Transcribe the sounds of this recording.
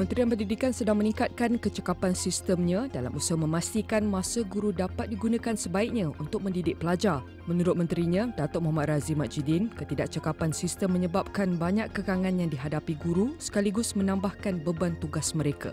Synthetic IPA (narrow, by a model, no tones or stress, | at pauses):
mə̃nt̪ɾijanpəndidikansədaŋmənĩŋkat̪̚kankət͡ʃəkapansist̪əmɲãdala̰musmə̃mast̪ikanmãsəɡuɾudapat̪̚diɡunãkansəbaik̚ɲãunt̪ʊk̚mə̃ndidɪk̚pəlad͡ʒar | mə̃nuɾʊt̪̚mə̃nt̪ɾiɲãdat̪ɔʔ̚mɔɦamat̪̚razimaʔd͡ʒidinkət̪idaʔ̚t͡ʃəkapansist̪əmːə̃ɲəbap̚kanbaɲakkəkaŋãnjaŋdiɦadapiɡuɾusə̥kaliɡʊsmənãmbahkanbəbant̪uɡasməɾeka̰